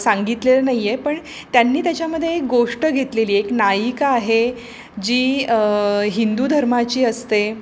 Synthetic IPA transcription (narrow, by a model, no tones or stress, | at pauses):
saŋɡit̪lelənajjepəɳ | t̪janːiːt̪jat͡ɕjaməd̪ʱːjeek̚ɡoʂʈəɡʱet̪leliːeknajikaːɦe | d͡ʑiː | ɦind̪ud̪ʱəɾmat͡ɕiːəst̪e